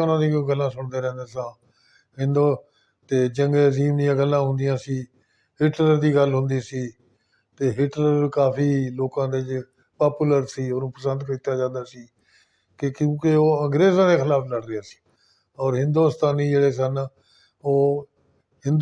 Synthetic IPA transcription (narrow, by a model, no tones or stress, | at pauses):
ʊnãːd̪ĩːɡəlːãːsʊɳd̪eːɾɛ̃ːnd̪eːsãː | ɦɪ̃nd̪oː | t̪eːd͡ʒəŋɡeːziːmd̪ɪjãːɡəlːãːɦʊ̃nd̪ɪjãːsiː | ɦɪʈləɾd̪iːɡəlɦʊ̃nd̪iːsiː | t̪eːɦɪʈləɾkaːfʰiːloːkãːd̪eːd͡ʒ | paːpuːləɾsiːonũːpəsənd̪kəɾit̪aːd͡ʒãːnd̪aːsiː | kekjũːkeoːəŋɡɾeːzãːd̪eːkʰɪlaːpʰləɽɾɪaːsi̥ː | ɔːɾɦɪ̃nd̪uːst̪aːniːd͡ʒeːɽeːsən | oː | hɪ̃nd̪